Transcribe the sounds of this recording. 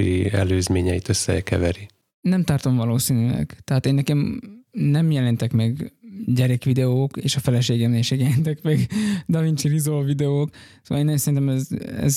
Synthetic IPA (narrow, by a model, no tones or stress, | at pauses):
ḭɛ̰løːzmeːɲɛjit̪øsːɛ̰kɛ̰vɛɾi | nɛmt̪ɒrt̪o̞mvɒloːsinylɛ̰ɡt̪ɛɦaːt̪eːnːɛkɛmnɛmjɛlɛnt̪ɛkmɛɡɟɛɾɛkʋid̪ɛoːkḛːʃɒfɛlɛʃeːɡɛmleːʃeːkjɛlɛnt̪ɛkmɛɡd̪ɒvint͡ʃirizolvid̪ɛoːksoːʋɒleːnɛnsɛɾint̪ɛmɛzɛ̰z